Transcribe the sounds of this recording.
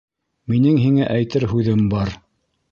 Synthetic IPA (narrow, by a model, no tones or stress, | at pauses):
minɘŋɦiŋæʔæjt̪ɘɾɦʉðɘmbɑɾ